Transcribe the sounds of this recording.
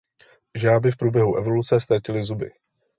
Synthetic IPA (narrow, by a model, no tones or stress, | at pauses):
ʒaːbɪfpɾuːbjɛɦuʔɛvo̞lut͡sɛst̪acɪlɪzubɪ̰